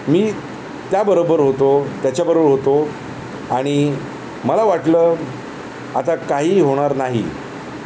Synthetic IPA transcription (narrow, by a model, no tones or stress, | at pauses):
miː | t̪jabəɾobəɾɦot̪ot̪jat͡ɕjabəɾobəɾɦot̪o | aɽ̃i | məlaʋaʈləː | at̪akaɦiːɦoɽ̃aɾnaɦḭ